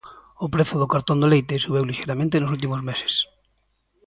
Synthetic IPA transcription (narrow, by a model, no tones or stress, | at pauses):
ʊpɾeθʊðʊkaɾt̪ond̪olejt̪esuβ̞ewliʃejɾamẽnt̪enʊsult̪̬imʊzmese̥s